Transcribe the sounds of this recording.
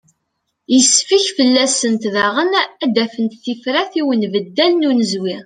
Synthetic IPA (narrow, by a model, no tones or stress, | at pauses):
jəsːfiçfəlːæsənt̪ðæʁənæd̪æfənt̪θifɾæθiwənvəd̪ːælnunəzwi